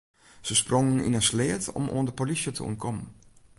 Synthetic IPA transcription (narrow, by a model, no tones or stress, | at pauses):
səsprɔŋənḭnəslɪːtɔ̰mʔo̰əndəpolisjətʰə̰ṵnkʰɔmən